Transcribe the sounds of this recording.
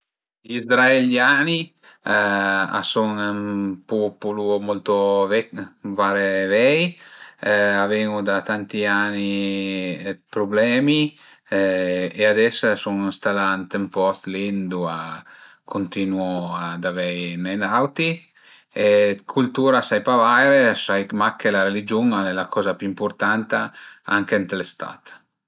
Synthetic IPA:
ʎizɾaeljaːni | a̰suŋmpupulumɔlt̪ovɛvaɾevɛj | avɛŋud̪at̪ant̪iani | pɾoblɛːmi | ead̪ɛssuŋist̪alant̪empɔst̪lind̪ua | kʰont̪inuɔad̪avɛjnɛnawt̪i | ekʰult̪uːɾasajpavajɾesajmakːelaɾelid͡ʒuŋalɛlakʰɔːzapuimpuɾt̪ant̪aa̰ŋkent̪lest̪a̰t̪

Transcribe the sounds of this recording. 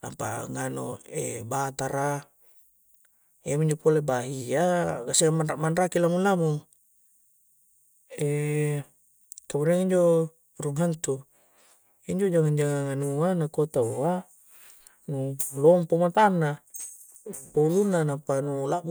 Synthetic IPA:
na̰mpa̰ŋano̰ḛbat̪aɾa | iamiɲd͡ʒopolebaɦiaɡaseamanraʔmanrakilamulamu | ɛ | kamuɾiaŋiɲd͡ʒo | ruŋant̪u | iɲd͡ʒod͡ʒaŋand͡ʒaŋaŋanuanakot̪aoa | nulɔmpomat̪anːa | paulunːanampanulaʔ

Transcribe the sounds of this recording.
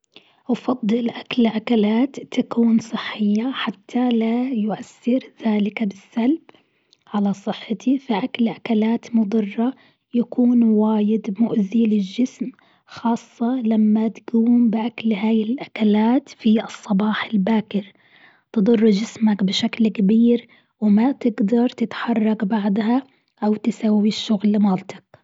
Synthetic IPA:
ʔɑfɑd̪ˤːɨlʔaklʕakalaːt̪ːakuːnsˤɨħːɪjːaħat̪ʰːalajʊʔasːɪɾðaːlɪkbɪsːalb | ʕalasˤɨħːɪt̪ʰifaʔaklʕakalaːt̪mʊd̪ˤɨrˤːɑ | jakuːnwaːjɪd̪mʊʔðiːlɪld͡ʒɪsm | xɑːsˤːɑlamːat̪ɡuːmbɪʔaklɦaːjɪlʔakalaːt̪fiʔɨsˤːɑbɑːħɪlbaːkɪɾ | t̪ɨd̪ˤɑrˤːd͡ʒɪsmakbɪʃaklkabiːɾ | wɪmat̪ɪɡd̪ɑɾˤt̪ɪt̪ħɑrˤːɑɡbɑʕd̪ˤɦa | ʔawt̪ɪsawːiʃːʊɣlːmaːlt̪ɑ̥k

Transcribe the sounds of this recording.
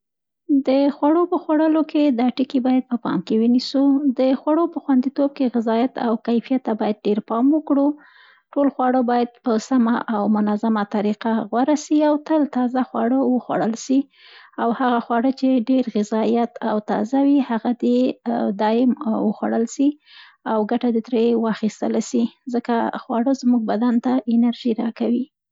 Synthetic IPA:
d̪əxwaɽopəxwaɽəloked̪ɑʈikibɑjad̪̚pəpɑ̰mkewənisud̪əxwaɽopəxwand̪it̪ob̚keɣɪzɑjat̪a̰wkajfijat̪ːabɑjad̪̚ɖeɾpɑmwəkɽu | ʈolxwɑɽəbɑjad̪̚pəsamaʔawmʊnazamat̪aɾiqaɣwaɾasiawt̪əlt̪ɑzaxwɑɽəwəxwa̰ɽəlʃi | awhaɣaxwɑɽət͡ʃeɖeɾɣɪzɑjat̪ʰawt̪ɑ̰zawihaɣad̪ed̪ɑɪmwəxwa̰ɽəlsi | awɡaʈad̪ət̪ɾewaxist̪əlaʃizəkaxwɑɽəzmuɡ̚bad̪ant̪aʔɪnaɾʒiɾɑkawi

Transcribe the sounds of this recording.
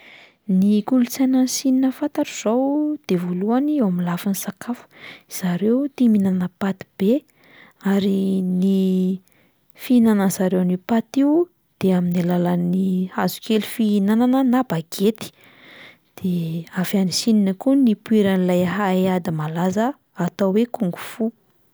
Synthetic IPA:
nikulut͡sanansininəfat̪aɾuz̥owd̪̥evoluaniewamilafanisakʰafu̥z̥aɾewt̪iminanəpat̪i̥b̥e | aɾini | fiinanəz̥aɾewanipat̪iu | d̪̥eaminilalanihazu̥kelufiinananənabaɡet̪i̥ | d̪̥eafianisininəkunipuiɾanilajɦaead̪imalazəː | t̪awwekuŋɡufu

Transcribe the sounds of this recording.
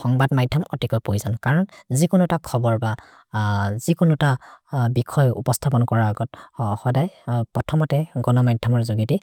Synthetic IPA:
xɔŋbadmajdʱɔmɔtikɔjpojzankaɹɔnzikʊnutakʰɔbɔɹba | z̥ikʊnutabikʰɔjupɔstʰapɔnkɔɹaːɡɔtxɔdajpɹɔtʰɔmɔtɛɡɔnɔmajdʱɔmɔɹzuɡiti

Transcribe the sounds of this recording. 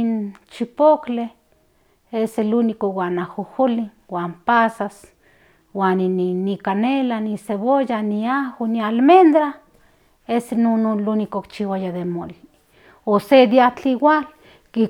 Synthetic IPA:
int͡ʃipokle | eselunikowanahuhuliwaːmpasas | waːnininikanelaniseβojaniahonialmend̪ɾa | esenononlunikokt͡ʃiwajaðemoli | osed̪jat͡ɬiwal | ki

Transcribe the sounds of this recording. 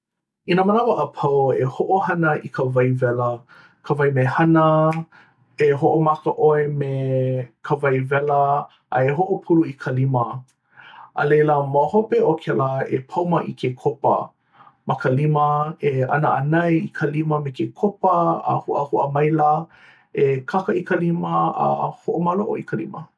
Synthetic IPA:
inəmənavəʔəpʰɐwehoʔohɐnəʔikʰəvɐjvɛlə | kʰəvɐjmehɐnə | eɦoʔomakəʔoemekʰəvɐjvɛlə | ʔɐ̰eɦoʔopʰuluikʰəlimə | ʔə̰lejləmohopeokʰɛləepʰɐwməʔḭkʰekʰopə̰ | mʔɐkəliməeɐ̰nəʔɐnɐjikʰəliməmekekʰopəə̰huʔəhuʔəmɐjla | ekʰakəikəliməə̰hoʔomaloʔo̰ikʰəlḭmə

